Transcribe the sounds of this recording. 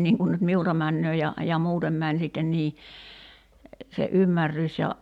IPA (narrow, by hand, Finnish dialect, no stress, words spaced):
niŋ kun nyt miultɑ mænːøː jɑ jɑ muːtem mæn sitːen niː se ʔymːærːys jɑ